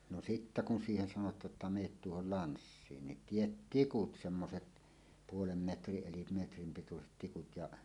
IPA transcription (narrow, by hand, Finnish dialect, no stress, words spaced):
no sitːæ kun siːhen sɑnotˑɑːʔ ʔetːæ ʔmeːt tuohol lɑnsːiːn nin tiet tikut semːoset puolem metriʔ ʔelim metrim pituset tikut jɑʔ